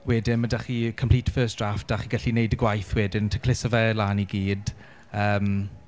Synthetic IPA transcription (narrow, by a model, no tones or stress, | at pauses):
wɛdɪnmadaχikʰəmpʰliːtʰfəːsd̥rafd̥aχiɡaɬinejdəɡwajθwɛːdɪntʰə̥kʰl̥ɪsɔvɛlaːniɡiːd̥ | əːm